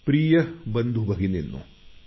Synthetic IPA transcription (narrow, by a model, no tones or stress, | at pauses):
pɾiːjəbɐnd̪ʱubɐɡinenːõ̰ː